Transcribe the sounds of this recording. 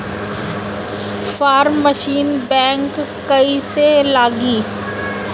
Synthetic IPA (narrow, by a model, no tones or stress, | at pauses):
faːɾmːəʃiːnbɛ̃ːŋkː | ɐiselaːɡiː